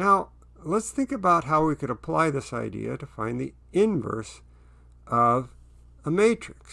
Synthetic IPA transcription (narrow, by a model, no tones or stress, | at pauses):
naʊ | lətsθɪ̃ŋkɨbaʊt̚ɦaʊwikɨɾəpʰl̥a̰ɪðɪsa̰ɪdḭɨ̰ɾɨfãɪ̃nðḭ | ɪ̃nvɜ̰˞s | ʔʌv | əmeɪt͡ʃɹ̥ɨks